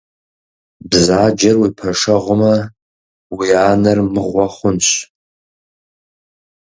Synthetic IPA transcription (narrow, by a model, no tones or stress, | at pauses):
bzad͡ʒarwipʰaʂaʁʷʊma | wianarmɨʁʷaχʷʊnt͡ʃʷʰ